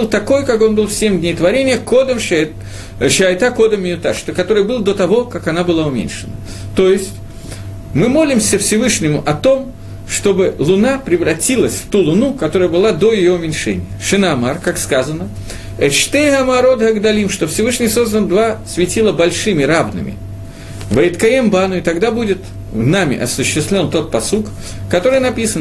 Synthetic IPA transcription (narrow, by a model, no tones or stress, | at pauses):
bɨlˠt̪ɐko̞jkako̞nbɨlˠfsʲemʲdʲnʲejt̪vɐɾʲenʲɪjəkod̪əm | ʂəɐjt̪ako̞d̪əmʲːɪjʊt̪aʂt̪əkɐt̪o̞ɾɨjbɨlˠd̪o̞t̪ɐvo̞kakɐnabɨlˠaʊmʲḛnʲʂɨnə | t̪o̞jɪsʲtʲ | mɨmo̞lʲɪmsʲəfsʲɪvɨʂnʲɪmʊʔɐt̪o̞m | ʂt̪o̞bɨlˠʊnapɾʲɪvɾɐtʲilˠəsʲft̪ulˠʊnukɐt̪o̞ɾəjəbɨlˠad̪o̞jɪjo̞ʊmʲɪnʲʂɛnʲɪ̰jəʂɨnamarkakskazənə | ɛʂt̪ɛjɦɐmaɾo̞d̪ɦɐɡd̪ɐlʲimʂt̪o̞fsʲɪvɨʂnʲɪjso̞zd̪ənd̪vasvʲɪtʲilˠəbɐlʲʂɨmʲɪɾavnɨ̰mʲɪ̰ | vəjɪt̪kɐembanʊɪt̪ɐɡd̪abudʲɪt̪ | namʲɪ̰ʔɐsʊɕːɪst̪vʲlʲo̞nt̪o̞t̪̚pɐsuk | kːɐt̪o̞ɾɨjnɐpʲisən